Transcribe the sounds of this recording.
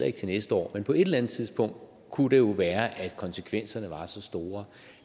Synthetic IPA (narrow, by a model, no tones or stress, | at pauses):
lɐe̝ɡ̥t͡sʰe̝nesd̥əɒ̰ːmenpʰɒ̽e̝ɾ̥elænð̩ˠt͡sʰið̞ˠsb̥ɔ̽ŋ̰d̥ | kʰud̥e̝jo̝ʋæːɐʔæ̥kʰɒ̽nsəkʰʋen̰sɐnəʋɑ̈sɒ̽sd̥o̝ːɐ